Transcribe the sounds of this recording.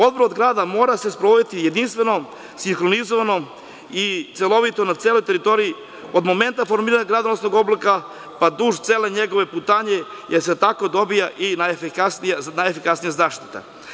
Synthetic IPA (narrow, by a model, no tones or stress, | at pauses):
o̞d̪boɾod̪ɡɾaːd̪amo̞ːɾase̞spɾoʋod̪it̪ije̞d̪inst̪vʋe̞no̞ | siŋxɾonizoʋano̞ | it̪selˠo̞ʋit̪o̞nat̪seːlo̞jt̪eɾit̪o̞ɾii | o̞d̪mo̞ment̪afo̞ɾmiːɾaɲaɡɾad̪onosno̞ɡo̞blika | pad̪uːʒt̪seːleɲeɡo̞ʋe̞put̪aːɲe̞jeɾset̪ako̞d̪o̞bijaʔinajefikasnijanajefikasnijazaːʃt̪i̥t̪a̰